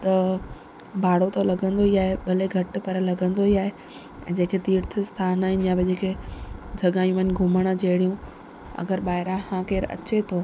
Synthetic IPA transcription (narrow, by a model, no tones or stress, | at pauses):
t̪ɐ | bʱaːɽot̪ɐlɐɡə̃nd̪oiaːɦeɓɐleɡʱɐʈ̆pɐɾəlɐɡə̃nd̪oiaːɦe | ɛ̃ːd͡ʑeːkʰet̪iːɾt̪ʰɪst̪ʰaːnaːɦɪ̃njãbɪd͡ʑeːkʰed͡ʑʱɐɠaːjũmʋən̆ɡʱʊməɽ̃d͡ʑeːɽijũ | ɐ̰ɡəɾɓaːɦɪɾãhãːkeːɾɐ̰t͡ɕet̪ʰoː